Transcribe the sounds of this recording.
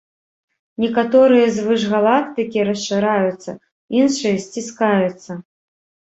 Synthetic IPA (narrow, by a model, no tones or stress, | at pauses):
nʲɛkat̪ɔɾɨjɐzvɨʐɣalˠak̚t̪ɨkʲiɾɐst͡ʂːɨɾajut̪sːɐ̰ | inʂɨjɐsʲt͡sʲiskajut̪sːɐ